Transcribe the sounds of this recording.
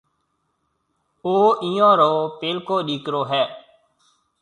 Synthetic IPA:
oːʔiːõːɾəoːpeːlkoːɗiːkɾoːɦɛː

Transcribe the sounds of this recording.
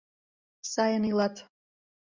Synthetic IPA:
saɛnilat̪ʰ

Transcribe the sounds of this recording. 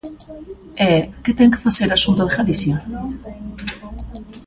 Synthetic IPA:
eket̪eŋke̥faseɾasunt̪oðeɣalisja

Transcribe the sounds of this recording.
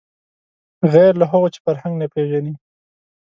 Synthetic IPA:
ɣɛɾlaɦaɣot͡ʃe̥faɾhaŋɡnapɾeʒani

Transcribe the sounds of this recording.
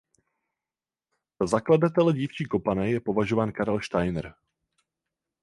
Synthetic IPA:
z̥azakladat̪ɛlɛɟiːft͡ʃiːko̞panɛjɛpo̞vaʒovaːnkaɾɛlʃt̪ajnɾ

